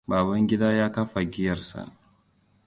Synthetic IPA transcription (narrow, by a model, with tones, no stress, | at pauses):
baː˨bɐ˦ŋɡʲɪ˦daː˦jaː˦kɐ˦ɸa˨ɡʲɪ˦jɐ˨rsa̰˨ʔ